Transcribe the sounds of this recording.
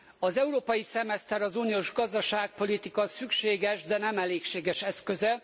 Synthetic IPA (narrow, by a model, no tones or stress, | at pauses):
ɒzɛuɾoːpɒjisɛmɛst̪ɛɾɒzuːnioːʒɡɒzd̪ɒʃaːk̚po̞lit̪ikɒsykʃeːɡɛʒd̪ɛnɛmɛleːkʃeːɡɛʃɛskøzɛ